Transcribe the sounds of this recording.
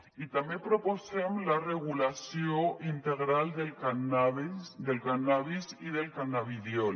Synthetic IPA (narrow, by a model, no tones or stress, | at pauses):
it̪amepɾoposemlareɣ̞ulasjoʔint̪eɣɾald̪ekanaβed̪elkanaβisiðelkanaβiðjol